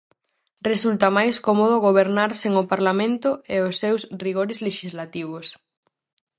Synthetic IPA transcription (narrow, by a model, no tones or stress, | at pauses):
result̪amajskomoðʊɣoβ̞eɾnaɾseŋopaɾlamẽnt̪ʊeosːewsriɣoɾɪzleʃizlat̪iβ̞os